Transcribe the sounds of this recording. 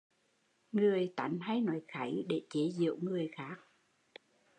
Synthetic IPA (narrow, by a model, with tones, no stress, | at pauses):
ŋɨ˨˩əjt̪a̰˨˩˦jŋɦa˧jnɔ˨˦jxa˧˦jɗe˧˩t͡ɕe˨˦zḭ˧˨əwŋɨ˨˩əjxaː˦˥k̚